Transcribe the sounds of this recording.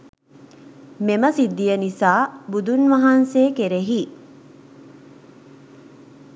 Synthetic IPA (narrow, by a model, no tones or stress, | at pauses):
meməsid̪ːijənisaːbud̪unʋɐɦanseːkeɾeɦi